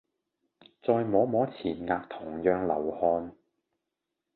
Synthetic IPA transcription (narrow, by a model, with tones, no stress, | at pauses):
t͡sɔː˧jmɔː˨˥mɔː˨˥t͡sʰiː˨˩nŋaː˧k̚t̪ʰʊ˨˩ŋjœː˧ŋlɐ̰˨˩whɔː˧n